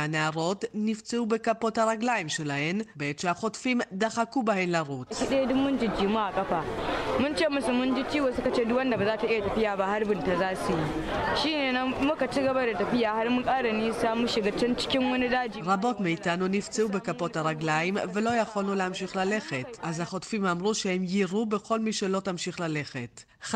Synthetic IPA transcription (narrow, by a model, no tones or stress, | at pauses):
anaɾotnɪft͡seubekapotaɾaɡlajɪmʃelaʔɛnbeet͡ʃaxotfimdaxakubahɛnlaɾotkʲiɗedʊmːʊnd͡ʒɪd͡ʒiːmaʔakʼɐɸamʊnt͡ʃeːmʊsʊmʊnd͡ʒit͡ʃiːwosʊkat͡ʃeːdʊwɐndabazaːtaʔɪjatɐɸɪjaːbaharbɪntazaːsujiʃiːneːnamʊkat͡ʃiɡɐbadatɐɸɪjaːharmʊŋkʼaːɽaniːsaːmuʃɪɡat͡ʃɛnt͡ʃɪ̥kʲɪŋwɐnidaːd͡ʒiːɾabo̞tmiitanunift͡seʔube̞kapothaɾaɡlajimvelo̞jaxolulehamʃixlaleχetʔazhaχotfimamʁuʃehemjiɾubexo̞lmiːʃelo̞tamʃiχlaleχḛt